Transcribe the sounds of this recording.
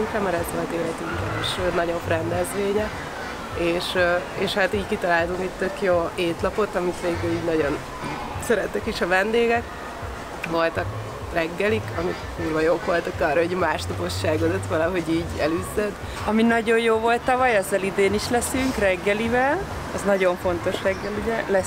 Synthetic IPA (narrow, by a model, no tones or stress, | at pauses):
ŋkɛmːɛɾɛzʋo̞lt̪eːlɛt̪yŋkɛ̰eːʃnɒɟofrɛnd̪ɛzʋeːɲɛ | eːʃeːʃhat̪iːɟkit̪ɒlaːlt̪uŋkɛc̚t̪ø̞kjoːeːt̪lɒpo̞t̪ɒmit̪ʋeːɡyliːɟnɒɟo̞n | sɛɾɛt̪ːɛkiʃɒvɛnd̪eːɡɛk | ʋo̞lt̪ɒk | rɛɡːɛlikɒmit̪muːrʋɒjoːkʋo̞lt̪ɒkɒːrːɒɦoɟmaːʃt̪ɒpo̞ʃːaːɡod̪ot̪ʋɒlɒɦo̞ɟiːɟɛlyzːɛd̪ | ɒminɒɟo̞jjoːvo̞lt̪ːɒvɒjɛzːɛlid̪eːniʃlɛsyŋkrɛɡːɛlivɛl | ɒznɒɟo̞ɱfo̞nt̪o̞ʃrɛɡːɛluɟɛlɛ